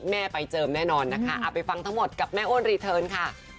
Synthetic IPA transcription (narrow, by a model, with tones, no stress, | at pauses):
mɛː˥˩pa˧jt͡ɕɤː˧mnɛː˥˩nɔː˧nːa˦˥kʰa˦˥ʔa˨˩pa˧jfa˧ŋt̪ʰa˦˥ŋmo˨˩t̪̚ka˨˩p̚mɛː˥˩ʔoː˥˩˨nɾiː˧t̪ʰɤː˧nkʰa˥˩